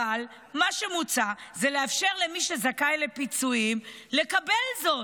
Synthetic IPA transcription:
al | maʃe̞mut͡sazeleafʃe̞ʁlemiʃezakajle̞pit͡suimle̞kabe̞lzo̞

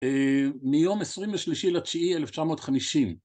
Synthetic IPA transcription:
emijomesʁimleʃliʃilat͡ʃiieleft͡ʃamo̞ːtχamiʃim

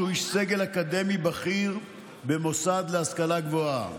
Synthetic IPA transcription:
uiʃseɡe̞lakad̪e̞mibaχiʁ | bemo̞sad̪leaskalaɡvoa̰

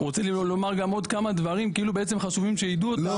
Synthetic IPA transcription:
ʁot͡selilo̞maʁɡamo̞d̪kamad̪vaʁimkiilubeet͡se̞mχaʃuvimʃeid̪ul

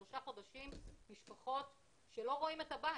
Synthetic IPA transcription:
oʃaχo̞daʃimːiʃpaχo̞t | ʃelo̞ʁo̞imetaba

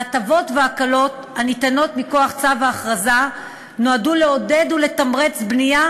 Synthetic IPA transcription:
atavo̞tveakalo̞t | hanitano̞tmiko̞aχt͡savaːχʁaza | no̞aduleo̞de̞dule̞tamʁet͡sbnija

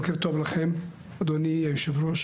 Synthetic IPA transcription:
keɾt̪ovlaχem | ad̪oniajuʃevɾoʃ

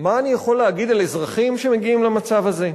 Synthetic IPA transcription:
maːnijaχo̞leaɡid̪alezʁaχimʃeme̞ɡiimlamat͡savaze̞

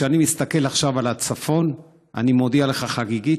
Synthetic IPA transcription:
eanimist̪ake̞laχʃavalat͡safo̞n | a̰nimo̞d̪ialeχaχaɡiɡi

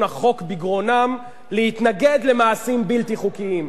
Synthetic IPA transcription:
naχo̞kbiɡʁo̞nam | lehit̪naɡe̞d̪le̞maːsimbiltiχukiim

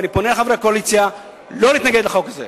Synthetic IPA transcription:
niponelχaveakoalit͡sja | lo̞liːt̪naɡed̪laχo̞kaze

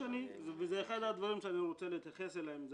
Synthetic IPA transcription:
anivezeːχad̪ad̪vaʁimʃeaniʁo̞t͡selet̪jaχe̞selaemz

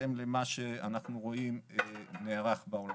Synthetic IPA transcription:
emlemaʃeanaχnuʁo̞imneːʁaχbaol

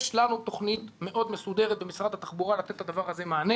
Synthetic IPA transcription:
ʃlanut̪o̞χnit̪me̞ʔo̞d̪mesud̪eʁet̪̚bemisʁad̪hat̪aχbuʁalat̪et̪ːad̪avaʁazemaːne

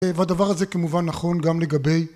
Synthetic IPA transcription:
vad̪avaʁazekamuvanːaχo̞nɡamle̞ɡabe̞j

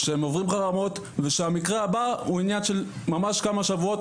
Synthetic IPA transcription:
ʃeemovʁimχaʁamo̞t̪ | ve̞ʃeamikʁeabauinjanʃe̞l | mamaʃkamaʃavuo̞t̪

